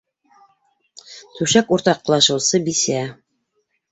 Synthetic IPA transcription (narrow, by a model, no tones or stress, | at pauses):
t̪ʉʃækuɾt̪ɑq̆ːlˠɑʃɤ̆wsɤbisæ